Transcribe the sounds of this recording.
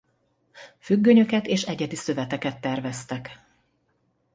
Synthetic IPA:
fyɡːøɲø̞kɛt̪eːʃɛɟɛd̪isø̞vɛt̪ɛkɛt̪ːɛrvɛst̪ɛk

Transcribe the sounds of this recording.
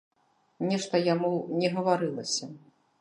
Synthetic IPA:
nʲɛʂt̪ɐjamunʲɛɣɐvaɾɨlˠɐsʲɐ

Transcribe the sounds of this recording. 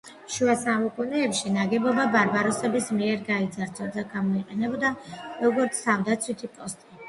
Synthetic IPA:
ʃuasamukʼunɛːpʃinaɡɛbɔbabaɾbaɾɔsɛbismiɛɾɡaid̪zaɾt̪ʰʼɔɾd̪aɡamɔiqʼɛnɛbɔd̪aɾɔɡɔɾt̪sʰt̪ʰamd̪at̪sʰwit̪ʰipʼɔst̪ʼi

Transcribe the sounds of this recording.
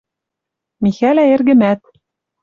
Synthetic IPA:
mixælæĕrɣɘ̆mæt̪

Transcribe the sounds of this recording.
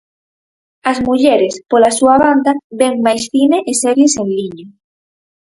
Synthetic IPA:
ɐzmuʎɛɾespolasuaβand̪aβɛŋmajsθineʔesɛɾjesenliɲo

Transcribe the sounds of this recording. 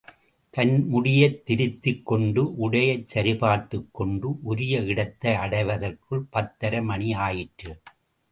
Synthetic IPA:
t̪ɐnmʊɽɪjɐt̪ːɪɾɪt̪ːɪkːɔɳɖɯʔʊɽɐjɐɪt͡ʃːɐɾɪpaːɾt̪ɯkːɔɳɖɯʔʊɾɪjɐɪɽɐt̪ːɐɪɐɽɐɪʋɐðɐrkɯɭpɐt̪ːɐɾɐmɐɳiaːjɪʈrɯ

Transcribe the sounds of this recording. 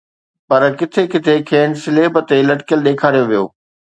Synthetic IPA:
pɐɾkɪt̪ʰekɪt̪ʰekʰeːnsɪleːbət̪elɐʈɪ̥kjəlɗeːkʰaːɾijoʋijo̰ː

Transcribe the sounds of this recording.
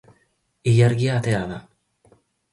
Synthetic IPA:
ijaɾɡiaːt̪eaða

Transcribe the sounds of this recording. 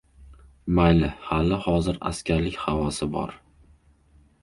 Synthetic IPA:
majlɪhalɪhɒzɪɾa̰skʲaɾlɪkʲhavɒsɪbɒ̰ɾ

